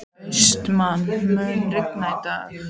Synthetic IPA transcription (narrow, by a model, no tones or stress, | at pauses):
st̪manmœːnrɪknajt̪a